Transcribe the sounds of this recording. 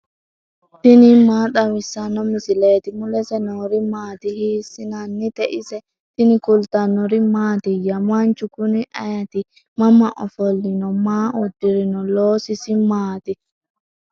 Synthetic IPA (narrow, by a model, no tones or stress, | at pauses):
t̪inimaːɗawisanɔmisileːt̪imulɛsɛnɔɾimaːt̪ihisinanːit̪ɛʔisɛ | t̪inikult̪anɔɾimaːt̪ijamant͡ʃukuniʔajat̪i | mamːaʔɔ̰fɔlːinɔmaːʔudiɾinɔloːsisimaːt̪i